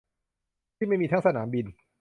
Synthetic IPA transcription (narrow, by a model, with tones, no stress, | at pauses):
t̪ʰi˥˩ma˥˩jmiː˧t̪ʰa˥˧sa˧naː˩˦mbi˧n